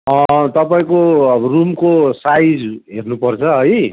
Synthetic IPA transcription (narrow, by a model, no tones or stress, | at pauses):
ʌ̃t̪ʌpaĩkobrumkosajd͡zɦernupʌrt͡sʰʌɦʌj